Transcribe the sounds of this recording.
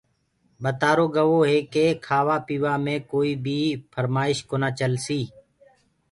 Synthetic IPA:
ɓət̪aːɾoːɡəʋoːɦeːkeːkʰaːʋaːpiːʋaːmẽːkoːiːbʱiːpʰəɾmaːɪʃkoːnaːt͡ʃəlsiː

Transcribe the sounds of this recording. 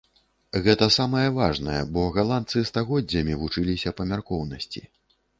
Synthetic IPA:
ɣɛt̪ɐsamɐjɛvaʐnɐjɛ̰bɔɣalˠant̪sɨst̪aɣɔd͡zʲːɐmʲivut͡ʂɨlʲisʲɐpɐmʲarkɔwnɐsʲt͡sʲḭ

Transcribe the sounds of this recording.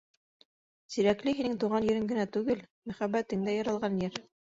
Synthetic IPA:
siɾæklɘɦinɘŋt̪uʁɑnjɵ̆ɾɘŋɡɘ̆næt̪ʉɡɘlmæχæbːæt̪ɘŋd̪æjɑɾɑlˠʁɑnjɘɾ

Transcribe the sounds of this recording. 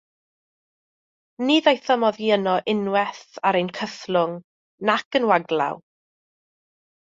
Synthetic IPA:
niðajθəmɔðiənɔʔɪnwɛθaɾejnkʰəθlˠʊŋ | nakənwaɡlˠa̰w

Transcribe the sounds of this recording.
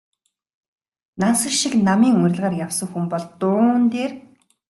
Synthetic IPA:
nansə̆rʃiknamiːŋʊɾ̆ʲɮʁaːrjawsə̆ŋxumpɔɮt̪ʊːnt̪eːr

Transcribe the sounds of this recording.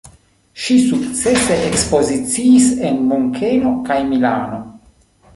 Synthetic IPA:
ʃisuk̚t͡seseʔekspo̞zit͡siːsenmoŋkʰelokajmila̰ːno̞

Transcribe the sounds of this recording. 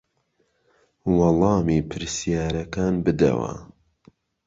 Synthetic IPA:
wɑlˠɑːmiːpʰɨɾsijaːɾɐkaːnbɨd̪ɐ̰wɐ̰

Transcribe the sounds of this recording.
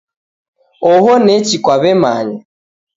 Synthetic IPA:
oɦonet͡ʃikʷaβemaːɲɪ

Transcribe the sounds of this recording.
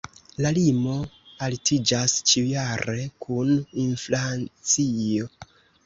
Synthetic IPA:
lalimo̞ | altid͡ʒast͡ʃiujaɾe̞kʰuninflant͡sio̞

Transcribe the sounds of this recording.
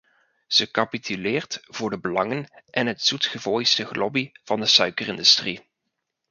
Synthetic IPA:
z̥əkɑpitʰylɪːɹtv̥ʊːɹdəbəlɑŋənʔɛnɦətz̥utχəvɔjstəχlɔbiv̥ɑndəsœɥkərɪndystri

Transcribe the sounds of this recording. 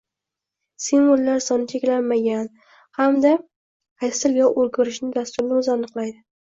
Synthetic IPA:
simolːaɾsɒnɪt͡ʃʰekʲlanmaɡʲan | hamd̪a | hajsɪljɒʔoɾɡʊɾɪʃnɪd̪ast̪ʊɾnɪɵzanɨqlˠajd̪ɪ

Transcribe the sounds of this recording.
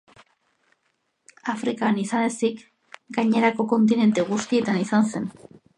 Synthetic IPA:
afɾikanisane̞sik | ɡaɲe̞ɾako̞ko̞nt̪̬ine̞nt̪eɣ̞ust̪ie̞t̪anisanse̞n

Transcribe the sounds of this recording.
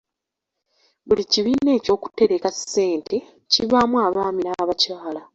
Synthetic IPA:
βuliciβiːne̞ːco̞ːku̥te̞ɾe̞kasːe̞ːntʰe̞ | ciβamwaːβaːminaːβacaːla

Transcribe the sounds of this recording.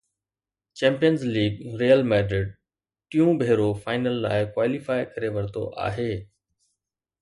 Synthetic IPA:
t͡ɕɛ̃ːmpijənzliːɡ̚ɾeːəlmɛ̃ːɖɾeːɖ̚ | ʈɪjũbʱeːɾofaːɪnəlːa̰ːɪkwaːlɪfaːɪkɐɾeʋɐɾt̪o̰ʔa̰ːɦeː

